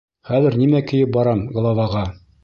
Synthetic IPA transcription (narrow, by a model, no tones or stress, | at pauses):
χæðɘ̆ɾnimækɘ̆jɘp̚bɒɾɑmɡlˠɑvɑʁɑ